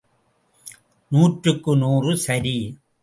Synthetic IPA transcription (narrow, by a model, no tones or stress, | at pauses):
nuːʈɾɯkːɯnuːrɯsɐɾi